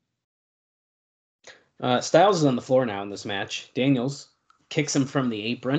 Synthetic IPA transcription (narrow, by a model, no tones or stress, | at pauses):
staɪlˠzəzn̩ðəflɔɹnaʊə̃nðɪsmæt͡ʃd̥æ̃njl̩ˠz̥ | kʰɪksɨ̃ɱfɹʌ̃mðieɪpɹɨ̃